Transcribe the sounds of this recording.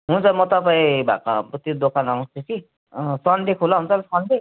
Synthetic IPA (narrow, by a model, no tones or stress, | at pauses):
ɦunt͡sʰʌmʌt̪ʌpaĩbʱa̰kapt̪jod̪okʰananũst̪et͡si | sʌnɖekʰolaɦunt͡sʰʌlʌsʌnʈe